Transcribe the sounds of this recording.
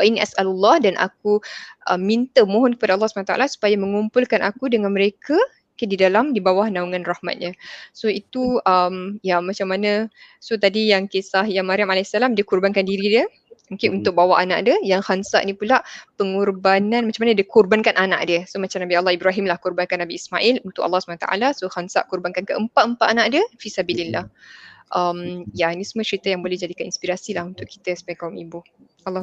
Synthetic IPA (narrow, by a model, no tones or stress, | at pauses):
wainiʔasalulːɑhdanʔa̰k̚uʔə̰mːint̪əmõɦɔnkə̥padaɑlˠːɑsumanat̪a̰lasu̥pajaməŋumpʊlkanʔakudəŋanməɾekʰa | kadidalamdibawahnauŋanrahma̰t̪̚ɲãsoit̪uəmjamat͡ʃamːanasot̪adijaŋkisahjaŋmaɾiamalasalamdikurbankandiɾidiə | muŋkɪnunt̪ʊk̚bawaʔana̰ʔdiəjaŋhansa̰ʔnipulaʔpəŋurbanãnmat͡ʃamanədəkurbankanʔana̰ʔdəsomat͡ʃamnabialːahibɾaɦimlahkurbankanabiːsmaʔilunt̪ʊkʔa̰lːɑhsu̥manat̪a̰ʔa̰lasohansa̰ʔkurbankankəʔəmpat̪əmpat̪anaʔdiəfisabilinːahʔəmjainisumət͡ʃəɾit̪əjaŋbolɛd͡ʒadikəḭnspiɾasilahunt̪ʊʔkːi̥t̪əsə̥pajakauŋibu | alːɑh